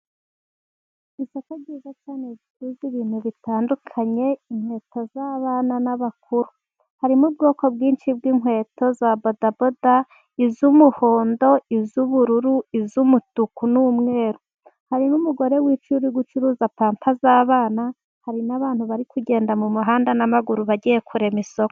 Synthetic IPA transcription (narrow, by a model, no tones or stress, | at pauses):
isokoɟiːzat͡ʃanezitɾiziβiːn̥huβitaːndukʰaɲe̞iŋhwe̞ːto̞zaːβaːnanaβak̚uɾu | haɾimub̚ɡo̞ːko̞bɡiːnʃibɡiŋɦwe̞ːto̞zabobdaboda | izumuhoːndo̞izuβuɾuɾuizumutukunumŋe̞ːɾo | haɾimumuɡo̞ɾe̞wiːt͡ʃuɾiɡut͡ʃuɾuːzapaːmpʰazaːβaːna | haɾinaβaːnhuβaɾikuɟe̞ːndamumuɦaːndanamaɡuɾuβaɟijekʰuɾe̞miso̞ko